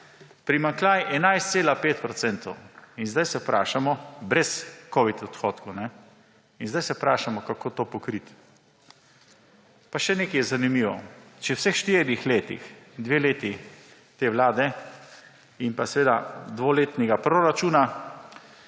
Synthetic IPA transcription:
pɾimaŋklʲaːjʔɛnajst̪seːlapeːt̪pɾɔt̪sɛnt̪ɔwinzd̪ajsɛpɾʔa̰ːʃamɔbɾɛskoːʋit̪ɔt̪xɔːt̪kownɛ | inzdajsɛpɾaːʃamɔkakoːt̪oːpɔkɾit̪ | paʃɛneːkɛjɛzanimiːʋɔ̰t͡ʃɛwsexʃt̪iːɾixleːt̪ḭxd̪ʋeːleːt̪i | t̪eːʋlaːd̪ɛ | inpasɛʋeːd̪ad̪ʋoleːt̪nɛɡapɾoɾat͡ʃuːna

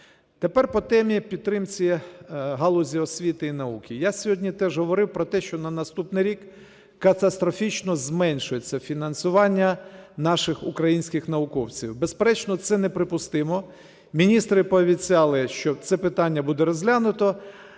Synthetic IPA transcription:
t̪epɛrpɔt̪ɛmʲipʲid̪̚t̪ːɾɪmt͡sʲiɦɑlˠʊzʲiɔsʲʋʲit̪ɪinɐukʲɪjasʲɔɦɔdʲnʲit̪ɛʒɦɔʋɔɾɪwpɾɔt̪ɛʃt͡ʃɔnɐnɐst̪upnɪɾʲikː | ɐt̪ɐst̪ɾɔfʲit͡ʃnɔzmɛnʲʃʊjet͡sʲːɐfʲinɐnsʊʋɑnʲːɐnɑʃɪxʊ̰kɾɐjinʲsʲkɪxnɐʊkɔwt͡sʲiwbespeɾɛt͡ʃnɔt̪sɛnɛpɾɪpʊst̪ɪmɔ | mʲinʲist̪ɾɪpɔʋʲit͡sʲɑlˠɪʃt͡ʃɔt̪sɛpɪt̪ɑnʲːɐbud̪ɛɾɔzʲlʲanʊt̪ɔ

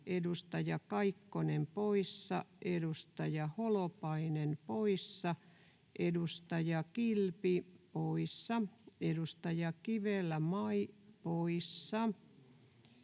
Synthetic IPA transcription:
ʔedust̪ɑjɑkɑikːonempoisːɑʔedust̪ɑjɑholopɑinenpoisːɑ | ʔedust̪ɑjɑkilpipoisːɑedust̪ɑjɑkiʋelːæmɑipoisːɑ

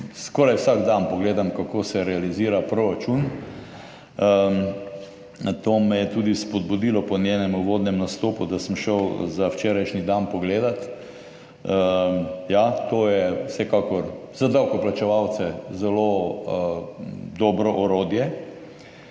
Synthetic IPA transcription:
skɔːɾajwsaɡd̪anpɔɡleːd̪amkakosɛɾɛaliziːɾapɾoɾat͡ʃun | t̪oːmɛjɛt̪uːd̪ispɔd̪̚bud̪ilɔpɔnjenɛmuʋoːd̪nɛmnast̪oːpud̪asəmʃəwzawt͡ʃeːɾajʃnid̪anpɔɡleːd̪at̪ | jat̪oːjɛwsɛkakɔɾzad̪awkɔplat͡ʃɛʋaw̪sɛzɛlo | d̪ɔːbɾɔʔɔɾoːd̪jɛ

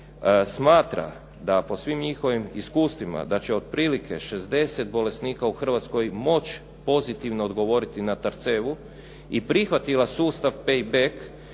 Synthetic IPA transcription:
smaːt̪ɾa̰ | d̪apo̞sʋimɲixo̞ʋimḭskuːst̪ʋima̰d̪at͡ɕeo̞d̪̚pɾiːlikʰe̞ʃezd̪e̞set̪bo̞le̞sniːkauxr̩ʋat̪sko̞jmo̞t͡ɕ | po̞zit̪iʋnoːd̪ɡo̞ʋo̞ɾit̪inat̪aɾt̪seːʋu | ipɾixʋat̪ilasuːst̪aʋpejbek

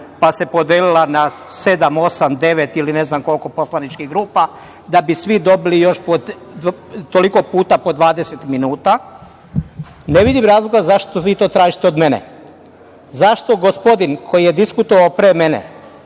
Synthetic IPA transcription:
pase̞pod̪eːlilˠana | se̞d̪amo̞samd̪e̞ʋet̪iline̞znamko̞lˠko̞po̞slanit͡ʃkiɣɡɾuːpa | d̪abisʋid̪o̞bilijo̞ʃpo | t̪oliko̞puːt̪apo̞d̪ʋaːd̪ese̞t̪minuːt̪a | neʋid̪imɾaːzloɡazaʃt̪oʋit̪o̞ːt̪ɾaːʒit̪eo̞d̪me̞nḛ | zaʃt̪o̞ɡo̞spo̞d̪inkʰo̞jije̞d̪iskut̪oʋaopɾeːmenḛ

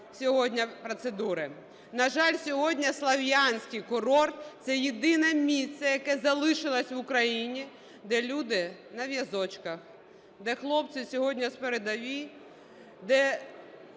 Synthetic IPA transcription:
sʲɔɦɔdʲnʲɐpɾɔt̪sed̪uɾɪ | nɐʒɑlʲsʲɔɦɔdʲnʲɐslˠɐʋʲjanʲsʲkɪjkʊɾɔrt̪t̪sɛjed̪ɪnɛmʲist̪ːɛjɐkɛzɐlˠɪʃɪlˠɐsʲʋʊkɾɐjinʲi | d̪ɛlʲud̪ɪnɐʋʲjɐzɔt͡ʃkɐx | d̪ɛxlˠɔp̚sʲɪsʲɔɦɔdʲnʲɐspeɾed̪ɐʋʲi | d̪ɛ

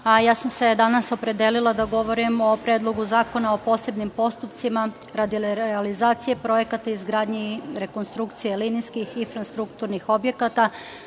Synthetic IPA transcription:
ajaːsamse̞d̪anaso̞pɾe̞d̪elilˠad̪aɡo̞ʋo̞ɾimo̞pɾeːd̪lˠo̞ɡuzaːko̞nao̞po̞ːse̞bnimpo̞st̪upt̪simaɾad̪ileɾalizaːt̪sije̞pɾo̞je̞kat̪aizɡɾaːd̪ɲiɾe̞ko̞nst̪ɾukt̪sijelinijskixinfɾast̪ɾukt̪uɾnixo̞bje̞kat̪a

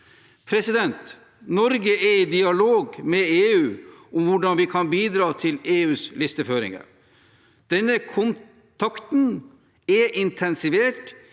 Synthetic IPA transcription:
pʰɾɛsɪd̪ɛnt̪ | nɔɾɡəʔɛɾid̪ɪɑloːɡmɛeːʉːʊmʋʊɖɑnʋɪkʰɑnbiːd̪ɾɑːt̪ʰɪleːʉːslɪst̪əføːɾɪ̰ŋə̰ɾ | d̪̥ɛnːəkʰʊn | t̪ʰɑkt̪n | ɛʔɪnt̪ʰɛnsɪʋeːʈ

